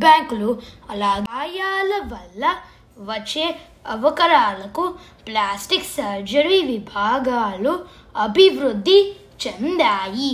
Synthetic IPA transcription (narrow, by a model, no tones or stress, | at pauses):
baːŋkluɐlaːɡaːjaːlɐʋɐlːɐ | ʋɐt͡ʃːeː | ɐʋɐkɐɾaːlɐku | plaːsʈiksɐɾd͡ʒɐɾiʋibʱaːɡaːlu | ɐbʱiʋɾud̪ʱːi | t͡ʃend̪aːji